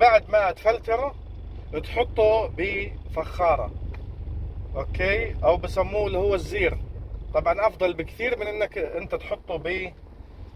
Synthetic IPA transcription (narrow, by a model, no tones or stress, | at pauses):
baʕd̪maʔt̪falt̪ɑɾˤɑ | t̪ħʊt̪ˤːubifaxːɑːɾˤɑ̰ | ʔoːkeːʔawbɪsamːuːlɪhʊwːɪzːiːɾt̪ˤɑbʕɑnʔɑfd̪ˤɑlbɪkθiːɾmɪnʔɪnːakʔɪnt̪at̪ħʊt̪ˤːubi